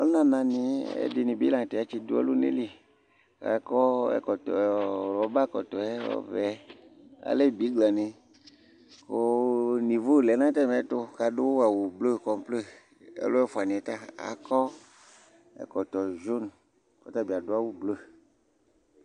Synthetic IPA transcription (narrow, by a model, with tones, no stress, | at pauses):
o˦nã˦nã˨nĩ˨ḛ˦di˨nĩ˨bi˦lã˨t̪e˨a˨˦t͡ʃi˦do˦ɛ̰˦lu˦nḛ˦li˨ | ka̰˨kɔ˦ɛ̰˨kɔ˨tɔ˨lɔ˨˦ba˦kɔ˨t̪ɔ˨ɛ˦ɔ̰˦vɛ˨˦ | a̰˨le˦bi˨˦ɡ͡bla˨nĩ˨ | ko˨nĩ˨vo˦˨lɛ˨˦nã˦t̪ɛ˦˨mɛ̃˨˦t̪o˦ka˨do˦wwa˨wu˨blo˦˨kɔ˨m˦ple˦ | ḛ˦lo˦ɛ˦fo˨a˨nĩ˨ɛ˨t̪a˦a̰˨kɔ˦ | ɛ̰˨kɔ˨t̪ɔ˨ʒo˦n | kɔ̰˨˦t̪a˦bi˨a˨do˦a˦wu˦blo˦